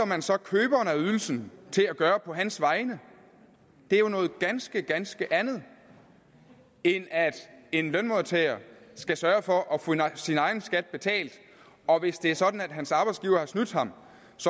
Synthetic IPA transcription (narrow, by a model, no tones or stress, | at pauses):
ɒmænsɒ̽kʰøːb̥ɐːnæyðˠl̩sn̩t͡sʰe̝læɡ̥ɶːɐpʰɒ̽ɦænsʋɑ̈ɪnə | d̥e̝æjo̝nɔ̽ːð̩ˠɡ̥ænsɡ̥əɡ̥ænsɡ̥əʔænð̞̩ˠ | enæd̥e̝nlønmo̝ðˠt͡sʰɛɪɐsɡ̥æsɶːɐfɒ̽ʔɒfɔsinɑ̈ɪn̩sɡ̥æd̥̚b̥e̝t͡sʰɛ̰ːld̥ | ɒ̽ʋe̝sd̥e̝æɐsɒ̽d̥n̩æd̥ɦænsɑ̈ːb̥ɑ̈ɪdsɡ̥iʊɐhɑ̈snyd̥hɑ̈m | sɒ̽